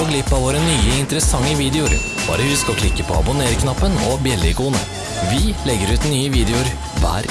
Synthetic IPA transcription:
ɔɡlɪpːɑʋoːɾənyːəɪnt̪əɾəsɑŋːəʋiːd̪ɛʊɾ | b̥ɑ̰ːɾəhʉskɔkʰlɪkːəpʰɔ̰ɑ̰bʊneːɾəkʰnɑpːənɔbjɛlɪkuːnə̰ | ʋɪlɛɡːəɾʉːt̪nyːəʋiːd̪ɛʊɾ | ʋæ̰ːɾ

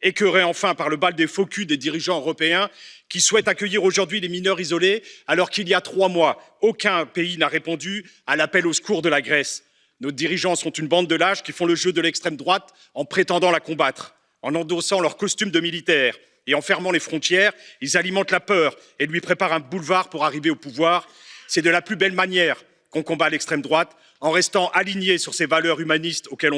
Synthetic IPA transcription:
ekəʁeɑ̃fɛ̃paʁləbald̪efɔkʲʰyd̪ed̪iʁiʒɑ̃øʁɔpeɛ̃kʲiswɛt̪akʲœjiʁoʒuʁd̪ɥileminœʁizɔlealɔʁkiljat̪χwamwa | okɛ̃peinaʁepɑ̃d̪y | alapɛlosə̥kuʁd̪əlaɡʁɛs | nod̪iʁiʒɑ̃sɔ̃t̪ynbɑ̃d̪ːəlaʃkʲifɔ̃ləʒød̪əlɛkst̪χɛmd̪ʁwat̪ | ɑ̃pχet̪ɑ̃d̪ɑ̃lakɔ̃bat̪χ | ɑ̃nɑ̃d̪osɑ̃lœʁkɔst̪ymd̪əmilit̪ɛːʁ | eɑ̃fɛʁmɑ̃lefχɔ̃t̪jɛːʁilzalimɑ̃t̪lapœːʁ | elɥipχepaʁɛ̃bulvaʁpuʁaʁiveopuvwaːʁ | sɛd̪əlaplybɛlmanjɛːʁ | kɔ̃kɔ̃balɛkst̪χɛmd̪ʁwat̪ | ɑ̃ʁɛst̪ɑ̃ʔaliɲesyʁsevalœʁymanist̪okʲɛl̃

